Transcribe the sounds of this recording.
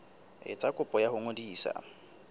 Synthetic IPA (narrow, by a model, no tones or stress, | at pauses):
ɪ̰t͡sʼakʼʊpʼɔjahʊŋodiːsa̰